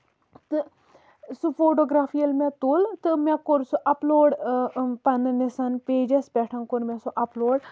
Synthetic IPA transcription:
t̪ɨ | sufoːʈoːɡɾaːfʰijɐlmɛ̃t̪ult̪ɨmɛ̃koɾsuʔɐploːɖpɐnɨnisɐnpeːd͡ʒɐsbɛʈʰɐŋkuɾmɛ̃suʔɐploːɽ

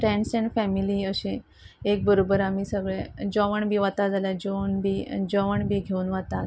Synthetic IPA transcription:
ʈɾɛɳsɛ̃ɳɖfɛmiliəɕẽ | ek̚bəɾobəɾamiːsəɡɭed͡ʑɔʋəɳbʱiːʋat̪ad͡zaljad͡ʑɔʋɳbʱiːd͡ʑɔʋəɳbʱiːɡʱeuːnʋat̪at̪

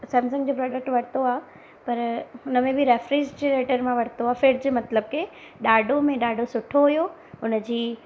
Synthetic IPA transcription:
sɛ̃ːmsə̃ŋd͡ʑoːpɾɔːɖək̚ʈʋɐɽ̤t̪oaː | pɐɾɦʊnəmẽbɪɾeːfɾid͡ʑd͡ʑeɾeːʈəɾmãʋɐɽ̤t̪oaːfeːɖ̚d͡ʑemɐt̪ləb̚ke | ɗaːɖʱomẽɗaːɖʱosʊʈʰoɦʊjo | ɦʊnəd͡ʑiː

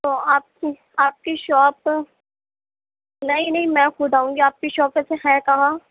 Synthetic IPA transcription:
t̪oːaːp̚ki | aːp̚kiʃɔːp | nɐɦĩnɐɦĩmɛ̃xʊd̪ʱaːũːŋɡiaːp̚kiʃɔːpɛseɦɛːkɐɦãː

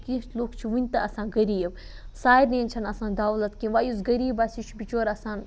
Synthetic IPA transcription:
kĩloːkt͡ʃʰiʋɨnʲt̪ɐɐsãːnɡɐɾiːb | saːɾnʲenʲt͡ʃʰɐnɐsãːnd̪aːwlɐt̪kĩʋaːjuzɡɐɾiːbasit͡ʃʰbit͡ʃoːɾɐsãːn

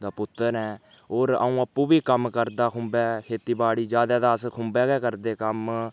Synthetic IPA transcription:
d̪aːpʊt̪ːəɾɦɛː | oːɾə̰ũːəpːũːbiːkəmkəɾd̪aːkʰʊmbɛːkʰeːt̪iːbaːɽiːd͡ʒjaːd̪aːd̪aːskʰʊmbɛːɡɛːkəɾd̪eːkəm

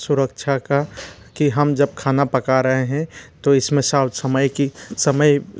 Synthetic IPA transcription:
sʊɾəkt͡ʃʰaka | kiɦəmd͡ʒəb̚kʰaːnapəkaɾəɦeɦɛ̃t̪oɪsmẽsaːʊt̪səməjkisəməj

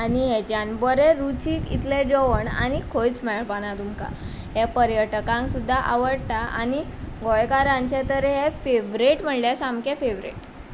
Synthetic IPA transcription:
aniɦed͡ʑanbəɾeɾut͡ɕiːkḭt̪led͡zoʋəɳa̰nikʰojt͡smɛɭpanat̪umka̰ | ɦepəɾjəʈəkãŋksud̪ʱːaʔaʋəɽt̪aʔa̰niɡɔjkaɾãɲt͡ɕet̪əɾɛɦefeʋɾeʈm̤əɳljasamkẽfeʋɾḛʈ

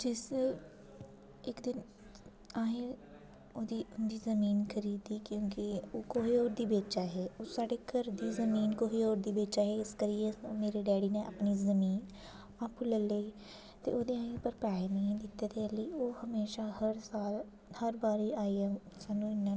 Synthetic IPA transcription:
d͡ʒɪseː | ɪkd̪ɪn | aːɦẽː | oːd̪iːʊnd̪iːzəmiːnkʰəɾiːd̪iːkjõːkɪoːkoːɦiːoːɾd̪iːbeːt͡ʃaːɦɛːoːsaːɖeːkəɾd̪iːzəmiːnkoːɦiːoːɾd̪iːbeːt͡ʃaːɦeːɪskəɾiːeːmeːɾeːɖɛːɽiːneːʔa̰ːpniːzəmiːn | aːpũːləleiː | t̪ḛːoːd̪eːaːɦẽːpəɾpɾaːenəɦĩd̪ɪt̪ːeːd̪eləiːoːhəmeːʃaːhəɾsaːl | həɾbaːɾeːaːiːɛːsaːnũːɪnːãː

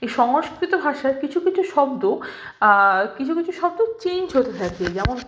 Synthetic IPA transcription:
eʃɔŋoskɾit̪obʱaʃaekit͡ɕʰukit͡ɕʰuʃɔbd̪o | kit͡ɕʰukit͡ɕʰuʃɔb̚d̪ot͡ɕend͡ʑɦot̪et̪ʰaked͡ʑɛmon

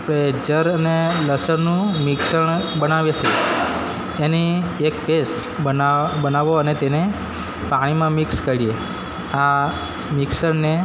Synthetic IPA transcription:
apɽed͡ʒəɾəneləsəɾnũmɪksəɳ̃bənaʋjet͡ʃʰe | eniekʈes | bənaʋoənet̪ene | paɽ̃imãmikskəɾie | a | mɪksəɳne

